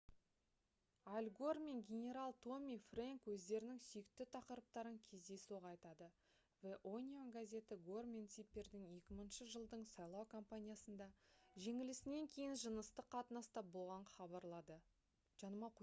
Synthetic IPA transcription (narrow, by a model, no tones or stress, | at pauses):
alʲɡo̞rme̞ŋɡʲe̞nʲe̞ɾalˠt̪ʰo̞mʲifreŋkwɵzd̪e̞ɾɪnɪŋsʏjɪk̚t̪ɪt̪ʰɑqəɾəp̚t̪ɑɾəŋkʲʰe̞zd̪e̞suʁɑjt̪ɑd̪ə | veʔonʲionɡazʲe̞t̪ɪɡo̞rmʲent̪sipʲːe̞ɾd̪ɪŋje̞kʲɪmənʃəʒəlˠd̪əɴsɑjlˠɑwkʰo̞mpanʲijasənd̪ɑʒe̞ŋɪlɪsɪne̞ŋkʲʰe̞jɪnʒənəst̪əqʰːɑt̪ənɑst̪ɑp̚bolˠʁɑɴχɑbɑɾlˠɑd̪ə | ʒ̥ɑnəmɑq